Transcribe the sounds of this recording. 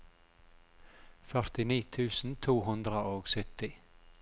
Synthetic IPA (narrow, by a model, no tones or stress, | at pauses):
fœɾt̪ɪniːt̪ʰʉːsn̩t̪ʰuːhʉnd̪ɾəʔoːɡsʏt̪ɪ